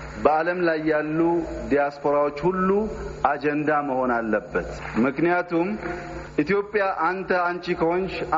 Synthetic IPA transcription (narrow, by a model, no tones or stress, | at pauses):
bəaləmlajːalːud̪ijaspʰo̞ɾawo̞t͡ʃːhulːuʔad͡ʒɛnd̪aməho̞nalːəbːət̪mɨknijat̪ʰum | ʔit̪jo̞pʼːɪjaʔant̪ʰəant͡ʃʼikʰəwonʃ